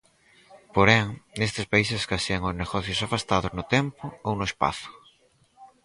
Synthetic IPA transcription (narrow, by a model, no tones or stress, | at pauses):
poɾɛŋnest̪espaiseskaseaŋozneɣɔθjosafast̪aðoznʊt̪empʊownʊespa̰θʊ̥